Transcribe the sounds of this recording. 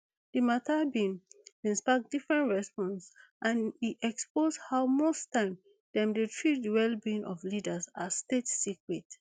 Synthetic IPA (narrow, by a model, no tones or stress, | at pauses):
dɨmatʰabĩnĩnspak̚difɹɛ̃ntɹɛspɔ̃nsʔãniɛksposhaʊmostãɪ̃m | d̥ɛ̃mdətʰɹidwɛlbĩnʔɔflidəsastetsikɹɛt